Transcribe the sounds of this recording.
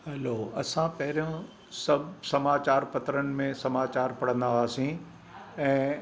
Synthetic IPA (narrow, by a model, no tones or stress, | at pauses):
hɛloːɐsãpɐɦɪɾijõ | sɐbʱsɐmaːt͡ɕaːɾpɐt̪ɾənɪ̆mẽsɐmaːt͡ɕaːɾpɐɽ̤ə̃nd̪aɦaːsĩ | ɛ̃ː